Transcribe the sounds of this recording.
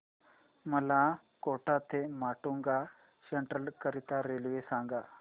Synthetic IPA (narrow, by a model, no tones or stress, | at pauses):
məla | koʈat̪ʰemaʈuŋɡa | səɳʈɾəlkəɾit̪aɾelʋesãŋɡa